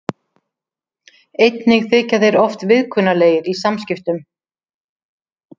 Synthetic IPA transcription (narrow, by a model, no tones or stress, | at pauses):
ejt̪nɪɣθɪːcaðeɾɔft̪vɪðkʰʏnaleːjɪɾisamscɪft̪ʏm